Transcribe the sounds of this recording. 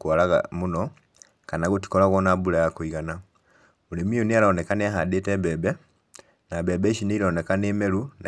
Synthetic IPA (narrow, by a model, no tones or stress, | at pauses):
kwalaɣa̰muno | kanaɣuti̥kolaɣwonabulajakwiɣana | mulimiunialanekaniaɦadetebebe | nabebeʃinilonekanemeluna̰